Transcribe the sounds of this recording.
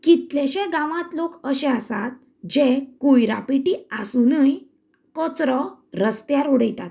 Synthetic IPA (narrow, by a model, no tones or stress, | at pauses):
kit̪leɕẽɡãʋãt̪lokəɕɛ̃asat̪̚ | d͡ʑekujɾa̰piʈiasunəj | kɔt͡sɾɔ | ɾəst̪jaɾuɽəjt̪at̪̚